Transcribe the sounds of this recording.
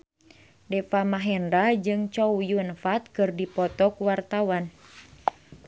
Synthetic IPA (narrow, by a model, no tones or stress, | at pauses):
dɛfamaɦɛndad͡ʒɨŋt͡ʃɔujuənfat̪̚kɨrdipɔt̪ɔkuwart̪awan